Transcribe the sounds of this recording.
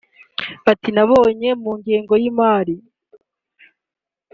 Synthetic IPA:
atinaβo̞ːɲe̞muːŋɡeːŋɡo̞jimaːɾi

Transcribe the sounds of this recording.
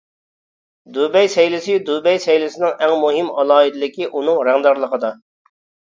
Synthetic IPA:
d̪ubɛjsɛjlɪsɪd̪ubɛjsɛjlɪsɪnɪŋɛŋmuɦɪmɑ̰lˠɑːid̪ɪlɪkʲiʔunɨŋɾɛŋd̪ɑɾlˠəqəd̪ɑ

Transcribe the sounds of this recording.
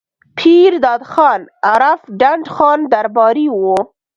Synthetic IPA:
pʰiɾd̪ɑːd̪xɑnaɾafɖaɳɖxɑnd̪aɾbɑɾiwo

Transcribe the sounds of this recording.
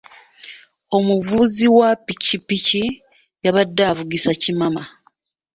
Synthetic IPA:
o̞muvuziwapicipici | jaβadːaːvuɡisacimama

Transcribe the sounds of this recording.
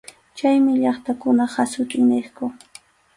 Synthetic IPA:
t͡ʃajmɪʎɑχt̪akʊnahasʊt̪ʼɪŋneχkʊ

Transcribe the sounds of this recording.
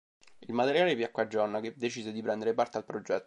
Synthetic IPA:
ilmat̪eɾjaːlepjakːad͡ʒːɔrnaked̪ːet͡ʃiːzed̪ipɾɛnd̪eɾepart̪ealpɾod͡ʒɛt̪ːo

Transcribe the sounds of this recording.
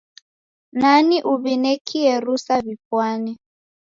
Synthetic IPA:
naniʔuβinɛkʰiɛɾusaβipwani

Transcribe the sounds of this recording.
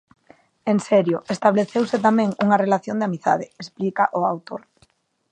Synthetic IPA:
eŋsɛɾjʊʔest̪aβleθewset̪amẽŋṵŋɐrelaθjond̪eamiθa̰ð̞ɪesplikaʔʊawt̪oɾ

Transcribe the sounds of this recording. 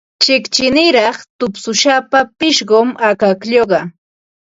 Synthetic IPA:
t͡ʃɪkt͡ʃɪnɪɾɑχt̪ʊpsʊʃapapɪʃɢomakakʎoɢɑ

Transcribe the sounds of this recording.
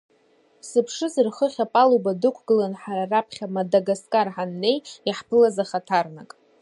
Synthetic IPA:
sɨpʰʂɨzɨrχəχʲapʼalubadɨkʷʰɡɨlanħaɾarapʰχʲamadaɡaskʼarħanːe̞jiħpʰɨlazaχatʰarnakʼ

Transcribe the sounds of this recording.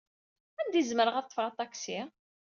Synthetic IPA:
ænd̪izməɾəʁɑt̪ˤːfʁɑt̪ˤɑksi

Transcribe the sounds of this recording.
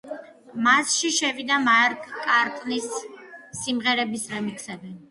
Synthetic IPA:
masʃiʃɛvid̪amaɾkʼkʼaɾtʼnisː | imʁɛɾɛbisɾɛmikʰsɛbi

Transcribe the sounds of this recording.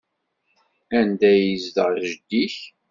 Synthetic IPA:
ænd̪æjəzd̪əʁʒəd̪ːiç

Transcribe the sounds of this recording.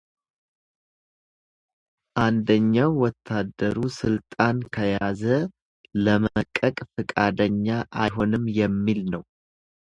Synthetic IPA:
ʔand̪əɲːawːɔt̪ʰːad̪ːəɾusɨlt̪ʼankʰəjazə | ləməkʼːəkʼfɨkʼad̪əɲːaʔajɦo̞nɨmjɛmːilnəw

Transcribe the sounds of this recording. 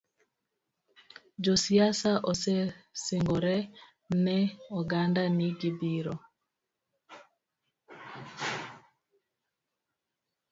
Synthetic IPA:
d͡ʒɔsiasaʔɔsɛseŋɡɔɾɛ | nɛɔɡandanɪd͡ʒibiɾɔ

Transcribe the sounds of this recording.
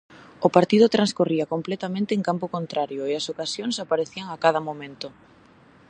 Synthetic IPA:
ʊpaɾt̪iðʊt̪ɾanskoriɐkomplɛt̪amẽnt̪eːŋkampokont̪ɾaɾjʊeɐsokasjoŋsapaɾeθiaŋakaðɐmomẽnt̪ʊ

